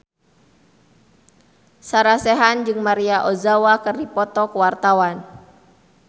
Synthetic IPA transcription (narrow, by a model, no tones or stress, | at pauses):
saɾasɛɦand͡ʒɨŋmaɾiaʔɔzawakɨrdipɔt̪ɔkəwart̪awan